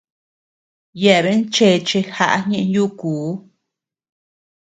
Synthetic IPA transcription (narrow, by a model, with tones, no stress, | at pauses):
jɛ˧˨βe˦nt͡ʃe˧t͡ʃe˧xa̰˧ʔa˦ɲẽ˧ʔjuː˦kuː˨˦